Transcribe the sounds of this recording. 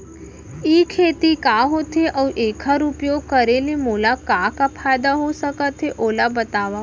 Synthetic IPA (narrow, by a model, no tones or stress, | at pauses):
iːkʰeːt̪ikaɦot̪ʰeʔəwʔeːkʰaɾupjoːɡ̚kəɾelemoːlakakapʰaːjd̪aɦosəkət̪ʰɦeʔoːlabət̪aʋa